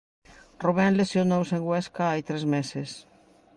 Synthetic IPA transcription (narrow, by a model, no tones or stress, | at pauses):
ruβanlesjonowseŋɡweskaajt̪ɾezmeses